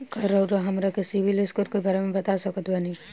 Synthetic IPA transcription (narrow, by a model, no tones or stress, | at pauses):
kɐɾəwɾoɦɐmɾakesibʱileskuɾkebaːɾemẽbɐt̪asɐkət̪bani